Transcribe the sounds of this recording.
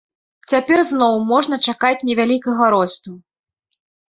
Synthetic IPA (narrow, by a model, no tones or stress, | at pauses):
t͡sʲapʲɛrznɔwmɔʐn̪ɐt͡ʂakat͡sʲnʲɛvʲalʲikɐɣɐɾɔst̪u